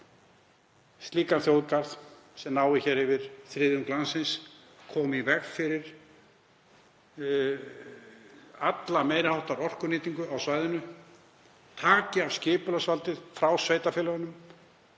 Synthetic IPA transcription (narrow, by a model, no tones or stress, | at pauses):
st̪liːkanθjowðkaɾð | sɛmnaːwɪçɛːɾ̥hɪvɪɾ̥θɾɪːðʏnklansɪns | kʰɔːmivɛɣfɪɾɪɾ̥ | at̪lamejɾɪhawht̪aɾɔr̥kʏnɪːt̪iŋkʏʔawsvajðɪnʏ | t̪ʰaːcɪavscɪːpʏlasvalt̪ɪðfɾawsveːjt̪afɪːlaɣʏnʏm